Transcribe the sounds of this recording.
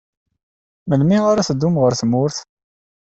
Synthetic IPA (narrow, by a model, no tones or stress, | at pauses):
məlmiaɾaθəd̪ːumʁəɾθmʊɾθ